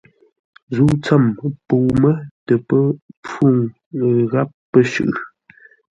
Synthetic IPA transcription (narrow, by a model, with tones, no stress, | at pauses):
zuː˦˨t͡sə˦˨mpu˨mə˦tə˨pə˦p͡fu˦˨ŋ | ɣa˦p̚ːə˦ʃʉ̰˨ʔ